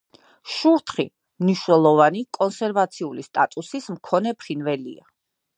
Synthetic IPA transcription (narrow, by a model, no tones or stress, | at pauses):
ʃuɾt̪ʰχḭ | mniʃnɛlˠɔvanikʼɔnsɛɾvat̪sʰiulist̪ʼat̪ʼusismkʰɔnɛpʰχinvɛlḭa̰